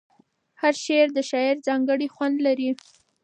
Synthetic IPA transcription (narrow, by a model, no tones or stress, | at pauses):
haɾʃeɾd̪əʃɑɪɾzɑŋɡəɽixwand̪laɾi